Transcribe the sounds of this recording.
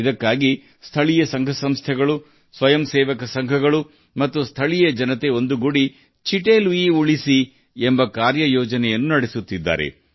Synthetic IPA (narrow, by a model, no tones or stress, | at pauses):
id̪ɐkːaːɡi | st̪ʰɐɭijɐsɐŋɡʱɐsɐmst̪ʰɛɡɐɭu | sʋɐjɐmseːʋɐkɐsɐŋɡʱɐɡɐɭu | mɐt̪ːust̪ʰɐɭijɐd͡ʒɐnɐt̪e̞o̞nd̪uɡuɽi | t͡ʃiʈelʋiuɭisi | embɐkaːɾjɐjɔːd͡ʒɐnɛjɐnːunɐɽesut̪ːid̪ːa̰ːɾḛ